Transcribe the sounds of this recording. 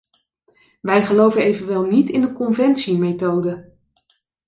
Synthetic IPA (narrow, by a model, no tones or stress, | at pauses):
ʋɛjχəlowvənejvənʋɛlˠnitɪndəkɔnvɛntsimejtowdə